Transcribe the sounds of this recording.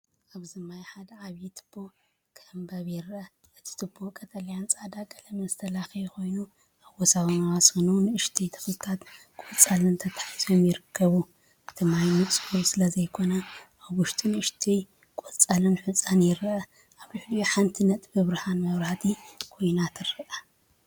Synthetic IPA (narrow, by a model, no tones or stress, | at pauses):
ʔaβzɨmajħad̪ɐʕaβit̪ʰɨ̥b̥ːo̞ | kʰɐmbɐβjɪɾʔɐ | ʔɨt̪ʰi̥t̪ʰɨbʰokʼʰɐt̪ʰʼɐlijant͡sʼad̪akʼɐlɐmɐzt̪ʰɐlaxiuko̞jnu | ʔaβɔsawɐnawasxɨnuwnɨɨʃt̪ʰijt̪ʰɨ̥xlɨt̪ʰat̪ | kʼot͡sʼalɨnt̪ʰɐt̪ʰħizomjɪɾɨkʰːɐβu | ʔɨt̪ʰimajmɨsʼbosɨlɐzɐjkʰo̞nɐʔaβʊʃt̪ʼʰinɨɨʃt̪ʰij | kʼot͡sʼalɨnħut͡sʼanjɪɾʔɐ | ʔaβlɨħlijuħant̪ʰinɐt̪ʼbɨβɾɨhanmɐβɾaht̪ʰikʰo̞jnat̪ʰɨrɨʔɐ